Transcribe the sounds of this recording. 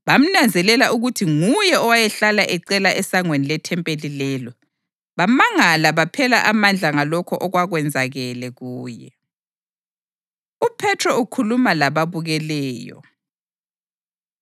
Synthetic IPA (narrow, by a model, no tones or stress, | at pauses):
βam̩nand͡zʱɛlɛlaʔuɣutʰiŋujɛɔwajɛɬalaʔɛǀɛlaʔɛsaŋwenilɛtʰɛmpʼelilɛlɔ | βamaŋalaβapʰɛla̰ʔamand͡ɮʱaŋalɔkʰɔʔɔɣwaɣwɛnd͡zʱaɣɛlɛɣuːjɛ̰ | upʰɛtʰrɔukʰulumalaβaβuɣɛlɛːjɔ̰